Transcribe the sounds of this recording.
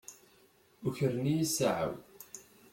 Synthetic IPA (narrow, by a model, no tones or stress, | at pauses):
ʊçəɾnijisaʕə̰w